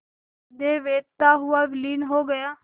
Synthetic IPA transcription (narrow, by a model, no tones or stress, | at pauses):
d̪eːʋeːdt̪aːɦʊaːʋɪliːnɦoːɡəjaː